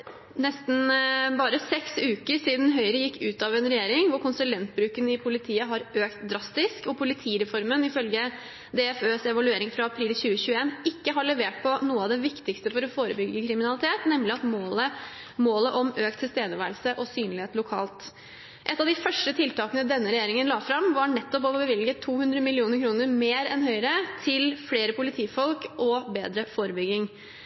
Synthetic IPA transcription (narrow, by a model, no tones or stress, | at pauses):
nɛst̪n̩bɑːɾəsɛksʉːkəɾʂiːd̪n̩ɦœʏəɾəjɪkːʉːt̪ɑʋɛnɾɛjeːɾɪŋʋʊɾkʊnsʉlɛnt̪bɾʉːkənɪpʰʊlɪt̪ʰiːəɦɑɾøːkt̪̚d̪ɾɑst̪ɪskɔpʰʊlɪt̪ʰiːɾɛfɔɾmənɪfœlɡə | d̪ɛɛføːsɛʋɑlʉeːɾɪŋfɾɑɑpʰɾiːlçʉːəçʉːəeːnɪkːəɦɑɭɛʋeːʈ̚pʰɔnuːəɑʋd̪ɛʋɪkt̪ɪkst̪əfɔɾɔfoːɾəbʏɡːəkʰɾɪmɪnɑlɪt̪ʰeːt̪nɛmlɪɑt̪moːlə | moːləʔɔmøːk̚t̪ʰɪlst̪eːd̪əʋæːɾlsəʔɔsyːnlɪheːt̪lʊkʰɑ̰ːlt̪ | ʔɛt̪ːɑʋd̪ɪfœʂʈət̪ʰɪlt̪ɑːkənəd̪ɛnːəɾɛjeːɾɪŋənlɑːfɾɑmʋɑɳɛt̪ːɔp̬ɔbɔbəʋɪlɡət̪ʰːuːhʉnd̪ɾəmɪlɪuːnəɾkʰɾuːnəɾmeːɾɛ̰nɦœʏɾət̪ʰɪlfleːɾəpʊlɪt̪ʰiːfɔlkʔɔbeːd̪ɾəfoːɾəbʏɡɪŋ